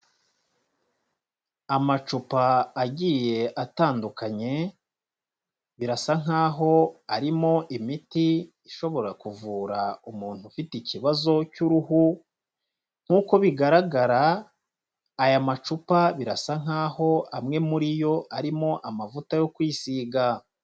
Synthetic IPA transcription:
amat͡ʃupaːɟiːje̞ʔataːndukaɲe̞ | βiɾasaŋ̥ɦaːɦo̞aɾimo̞ʔimitiː | ʃo̞βo̞ɾakuvuːɾaumuːn̥hufiticiβazo̞cuɾuhu | ŋ̥huːko̞βiɡaɾaɡaɾa | jamat͡ʃupaβiɾasaŋ̥haːho̞ʔamŋe̞muɾijo̞aɾimo̞ʔamavutajo̞kwiːsiːɡa

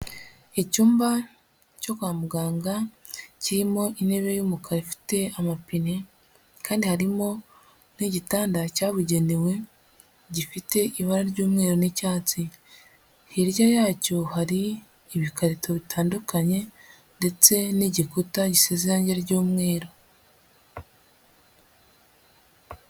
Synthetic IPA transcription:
ecuːmba | co̞kwaːmuɡaːŋɡaciɾimo̞ʔine̞βe̞juːmukʰaɾifi̥te̞amapine | kaːndihaɾimo̞ | niɟitaːndacaːβuɟe̞niwe̞ | ɟifite̞ʔiβaɾaɾɟuːmŋe̞ːɾo̞nicaːt͡si | hiɾjajaːco̞haɾiː | βikaɾitʰo̞βitʰaːndukaɲe̞ | nde̞t͡se̞niɟikutaɟiseziɾaːɲɟeɟuːmŋe̞ːɾo̞

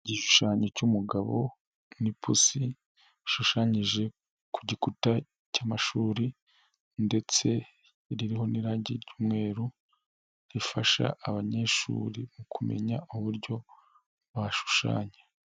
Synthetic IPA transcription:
ɟiʃu̥ʃaːɲecumuɡaβo̞̰ | nipʰusi | ʃuʃaɲiʒe̞ | kuɟikuta | caːmaʃuːɾi | nde̞t͡se̞ | ɾiɾiɦo̞niɾaɟiɾɟuːmŋe̞ːɾu | ɾifaʃa̰ːβaɲeʃṵːɾimukʰume̞̰ɲauβuɾɟo̞ | βaʃu̥ʃa̰ːɲa

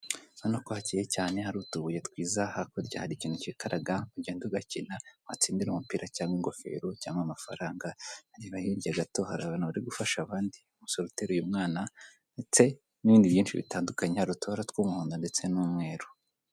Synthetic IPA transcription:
hanokohacijecaːne̞haɾutuβujetwiːzahakoɾɟa̰ːhaɾiciːnhucikaɾaɡauɟeːnduɡacinaat͡siːndiɾumupiːɾʔacaːŋɡwiŋɡo̞fe̞̰ːɾocaːŋɡamafa̰ɾaːŋɡahaɾiβahiɾɟaɡato̞haɾaβanaβaɾiɡufaʃaβaːndiumusoɾuteɾujumŋaːna | ndet͡se̞ | niβiːndiβjiːnt͡ʃiβḭtaːndukaɲehaɾutoɾatkwoːmuhuːndande̞t͡se̞nuːmŋe̞ːɾo̥

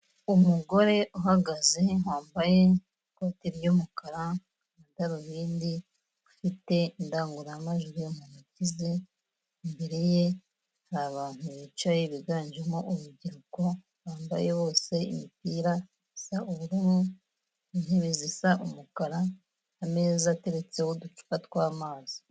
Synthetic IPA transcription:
umuɡo̞ɾe̞ʔuɦaɡaze̞waːmbaje̞ | kwatiɾjomukaɾa | ataɾuβiːndi | ufite̞ndaːŋɡuɾaːmaʒuɾujomunucizi | mbeɾeje̞ | haɾaːβaːn̥uβit͡ʃajeβiɡaːɲd͡ʒemoʔuβuɟiɾuko | βaːmba̰jewo̞ːse̞imipiːɾa | isaʔuβuɾimu | inheβizisaʔumukaɾaː | me̞ːzate̞ɾe̞t͡se̞hodut͡ʃu̥katkwaːmaːzi̥

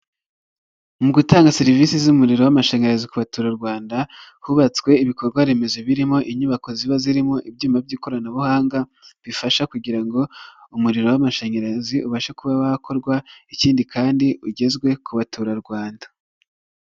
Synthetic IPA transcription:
muɡutaːŋɡaseɾiviːsizumuɾiɾowamaʃe̞ːɲeɾazikuβatuɾaɾɡwaːndahuβat͡swe̞iβiko̞ɾɡwaɾe̞me̞zeβiɾimo̞ʔiɲuβako̞ziβaziɾimo̞ʔibjuːmabɟiːko̞ɾanaβuhaːŋɡaβifaʃakuɟiɾaŋɡo̞umuɾiɾo̞wamaʃe̞ːɲeɾaziuβaʃekuβawahakʰo̞ɾɡwaiciːndikʰaːndiuɟe̞zɡwe̞kuβatuɾaɾɡwaːndḁ

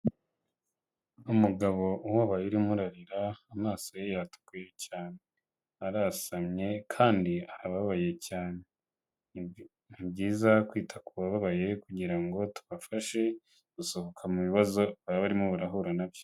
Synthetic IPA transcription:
umuɡaβo̞ʔuwaβajiɾimuɾaɾiɾaːmaːsojejatu̥kujecaːne̞ | aɾasamɲe̞kʰaːndiaaβaβaβaje̞caːne̞ | nibɟiːzakwiːtʰakuβaβaβaje̞kuɟiɾaŋɡo̞tu̥βafaʃe̞ | ɡ̥usohokʰamuβiβazo̞βaβaɾimoβuɾaɦuɾanaβjo

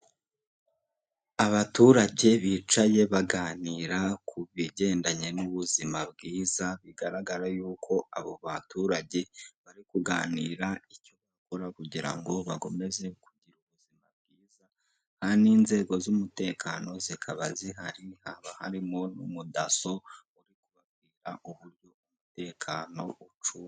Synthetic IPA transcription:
aβatuːɾaɟe̞βit͡ʃaje̞βaɡaːniːɾakʰuβiɟe̞ːndaɲe̞nuβuzimabɡiːzaβiɡaɾaɡaɾajuːkʰo̞aβo̞βatuɾaɟe̞βaɾikuɡaːniːɾaico̞βako̞ɾakuɟiɾa̰ŋɡo̞βaɡo̞me̞ze̞kuɟiɾuβuzimabɡiːza | haniːnze̞ɡo̞zumute̞ːkʰano̞zikʰaβaziɦaɾihaːβahaɾimo̞nṵmudaso̞ | uɾikuβab̚ɡiːɾaʔuβuɾɟo̞umute̞ːkʰaːno̞̰ʔut͡ʃu

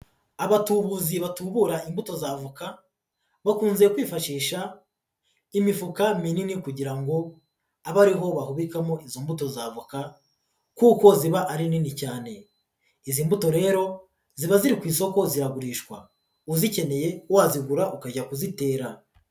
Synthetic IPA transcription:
aβatuβuziβatuβuɾaimbuto̞zavuka | βakuːnzejekwiːfaʃiːʃa | imifukamininikuɟiɾaŋɡo̞ | aβaɾiɦo̞βahuβikamoizombuto̞zavuka | kuːko̞ziβaʔaɾininicaːne̞ | izimbuto̞ɾe̞ːɾo̞ | ziβaziɾikwiːso̞ko̞ziɾaɡuɾiːʃkwa̰ | uzice̞ne̞je̞uwaziɡuɾaʔukaɟakuzite̞ːɾa

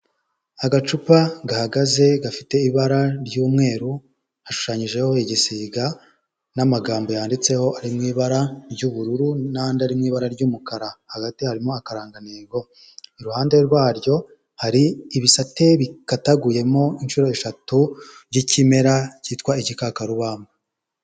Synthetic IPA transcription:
aɡat͡ʃupaɡahaɡaze̞ɡafite̞iβaɾaɾɟuːmŋe̞ːɾu | haʃu̥ʃaɲiʒe̞ho̞iɟisiːɡa | namaɡaːmbo̞jaːndit͡se̞ho̞ʔaɾimŋiːβaɾaɾɟuːβuɾuɾunandaɾimŋiːβaɾaɾɟuːmukaɾahaɡatihaɾimo̞akaɾaːŋɡaneːɡo̞ | iɾuhaːnde̞ɾɡwaːɾjo̞ | haɾiːβisate̞βikataɡuje̞mo̞inʃuɾo̞eʃatuɾɟicime̞ɾaciːtkwaiɟikakaɾuβaːma

